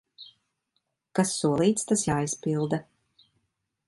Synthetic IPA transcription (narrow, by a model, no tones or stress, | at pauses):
kasːuɔlˠiːt̪st̪asjaːispilˠd̪a